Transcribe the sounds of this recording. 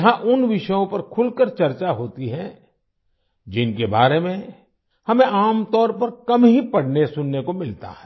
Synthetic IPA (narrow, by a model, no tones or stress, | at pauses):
ɦãʔʊnʋɪʃəjõpɐɾkʰʊlkəɾt͡ʃɐɾt͡ʃaɦoːt̪iɦɛ̃ | d͡ʒɪnkebaːɾemẽ | hɐmẽʔaːmt̪ɔːɾpɐɾkɐmɦipɐɽnesʊnːekomɪlt̪a̰ɦɛː